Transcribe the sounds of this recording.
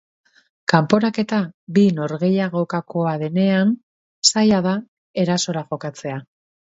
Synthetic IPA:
kampo̞ɾake̞t̪abino̞ɾɣe̞jaɣo̞kako̞aðe̞ne̞an | sajaða | e̞ɾaso̞ɾaʝo̞kat͡se̞a

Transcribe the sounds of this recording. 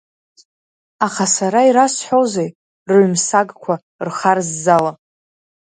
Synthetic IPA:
aχasaɾaiɾasħʷozej | rʕʷmsaɡkʷʰa | rχarzːala

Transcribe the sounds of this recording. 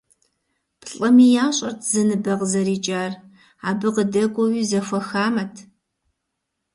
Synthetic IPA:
pɬʼɐmijaːɕʼɐrtʰzɐnɨbɐʁzɐɾiːt͡ʃʼaːr | aːbɨqədɐɡʷʼɔwiːzɐxʷɐxaːmɐtʰ

